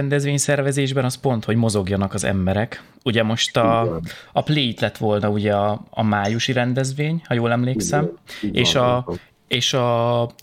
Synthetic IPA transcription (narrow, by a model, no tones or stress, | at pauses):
ɛnd̪ɛzʋeːɲsɛrvɛzeːʒbɛnɒspo̞nt̪ho̞ɟmo̞zo̞ɡjɒnɒkɒzɛ̰mbɛɾɛk | uɟɛmo̞ʃt̪ɒɒpleit̪lɛt̪ʋo̞lnɒuɟɛɒːmaːjuʃiɾɛnd̪ɛzʋeːɲhɒjoːlɛmleːksɛmeːʃɒ | eːʃɒ